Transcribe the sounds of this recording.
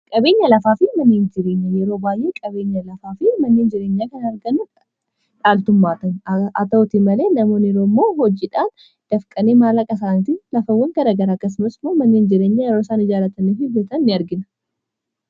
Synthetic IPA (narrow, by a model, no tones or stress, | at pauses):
kʼɐbe̞ːɲːɐlɐfaːfɪmɐnːeːnd͡ʒɪɾe̞ːɲːɐjɛɾoːbaːjʔekʼɐbe̞ːɲːɐlɐfaːfɪmɐnːe̞ːnd͡ʒɪɾe̞ːɲːaːkɐnɐɾɡɐnʊ | ᶑaːlt̪ʊmːaːt̪ɐnɐt̪ɐt̪ɪmɐle̞ːnɐmo̞ːnɛɾoːmːo̞ːɦɔd͡ʒiːᶑaːn | d̪̥ɐfkʼɐneːmaːlɐkʼɐs̬aːnt̪ilɐfɐwɐŋɡɐɾɐɡɐɾaɐkːɐs̬ʊmɐsmoːmɐnːeːnd͡ʒɪɾe̞ːɲːaːjɛɾoːsaːnɪd͡ʒaːlɐt̪ɐnːefɪbɛt̪ɐnːɪɐɾɡɪnɐ̥